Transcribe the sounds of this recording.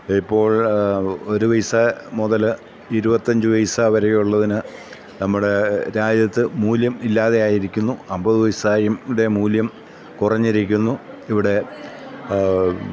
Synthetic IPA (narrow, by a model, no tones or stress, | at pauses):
ipːo̞ːɭ | o̞ɾuʋɐjsɐmuðɐl | iɾubɐt̪ːɐɲd͡ʑɨʋɐjsaʋɐɾɐjuɭːɐðinɨ | nɐmːuɽe̞ɾaːd͡ʑjɐt̪ːɨmuːljɐmilːaːðe̞jaːjiɾikʲːunːuɐmbɐðuʋɐjsaːjumɽe̞muːljɐm | kurɐɲːiɾikʲːunːu | iʋiɽe̞